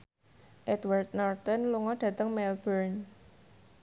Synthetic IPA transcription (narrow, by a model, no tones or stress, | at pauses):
ʔɛt̪wart̪̚nɔrt̪ənluŋɔɖ̥ä̤t̪əŋmɛlbərn